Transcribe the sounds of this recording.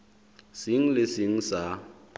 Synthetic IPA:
sɪŋ̩lɪsɪŋ̩sa

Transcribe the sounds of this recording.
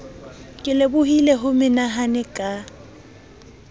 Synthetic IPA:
kʼɪlebʊhileɦʊmɪnaɦanɪkʼa

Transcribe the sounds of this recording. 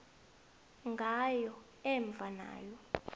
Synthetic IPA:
ŋɡʱajɔ | ɛɱb̪vʱana̰ːjɔ

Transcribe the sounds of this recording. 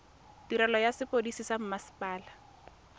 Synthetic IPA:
tiɾɛlɔjasɪpodisisam̩masi̥pʼaːla

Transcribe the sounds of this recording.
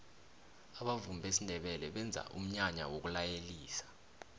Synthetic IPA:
aɓavumbʱesindʱɛɓɛlɛɓɛnd͡zʱa̰ʔum̩ɲaɲa̰wok̬ulajeliːsḁ

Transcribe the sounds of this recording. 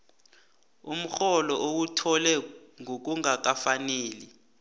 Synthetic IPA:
um̩xɔlɔʔowutʰɔlɛŋʱok̬uŋak̬afaneːli

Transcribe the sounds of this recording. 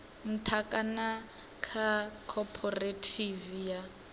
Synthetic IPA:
m̩tʰakʼana | kʰakʰɔpʰɔretʰivija

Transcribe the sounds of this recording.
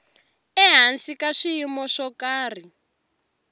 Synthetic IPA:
ɛɦansikaʂijimɔʂɔkaːr̤i

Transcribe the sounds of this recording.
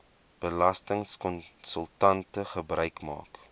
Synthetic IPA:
b̥əlɐstəŋskɔnsəlˠtɐntəχəbrœɥkmɑ̰ːk

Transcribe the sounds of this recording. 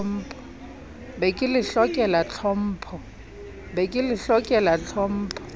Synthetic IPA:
m̩ːpʰɔ̥ | bɛkʼɪlɪɬɔkʼɛlat͡ɬʰɔm̩ːpʰɔ | bɛkʼɪlɪɬɔkʼɛlat͡ɬʰɔm̩ːpʰɔ̥

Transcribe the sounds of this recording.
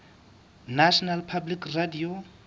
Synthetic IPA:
naʃɔnalpʰablikradio

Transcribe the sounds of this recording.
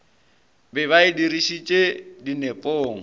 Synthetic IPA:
bɛβaɪdiɾiʃit͡ʃʼedinepʼoːŋ̩

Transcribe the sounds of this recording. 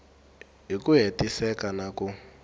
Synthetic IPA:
ɦikuɦetisɛkanaku

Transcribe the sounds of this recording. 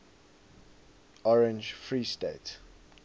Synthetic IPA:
ɔɹɛ̃nd͡ʒfɹiːstet

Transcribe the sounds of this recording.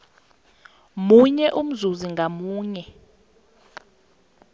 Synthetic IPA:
muɲɛʔum̩zuziŋɡʱamuːɲɛ

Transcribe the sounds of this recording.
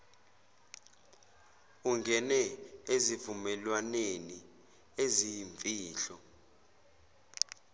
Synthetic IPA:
uŋɡʱɛnɛezivumɛlwaneni | ezijɱviːɬɔ

